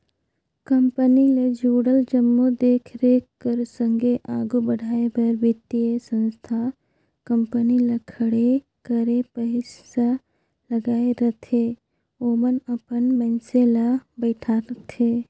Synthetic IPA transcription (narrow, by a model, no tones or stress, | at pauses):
kəmpəniled͡ʒuːɽəld͡ʒəmːud̪eːkʰɾekkəɾsə̃ŋɡʱeʔaːɡubəɽʱaːebəɾbɪt̪ːiesə̃nst̪ʰa | kəmpəniləkʰəɽe | kəɾepəɦɪssa | ləɡaːeɾɐt̪ʰe | oːmənəpənmɛ̃nselabɛːʈʰaɾət̪ʰeː